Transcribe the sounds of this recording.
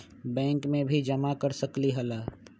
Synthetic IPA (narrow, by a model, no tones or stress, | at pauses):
bɛ̃ːŋkmẽbʱid͡ʒɐmakɐɾsəkliɦɐlaː